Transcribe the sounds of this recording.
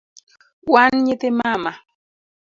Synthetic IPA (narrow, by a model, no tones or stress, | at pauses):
wanɲet̪emama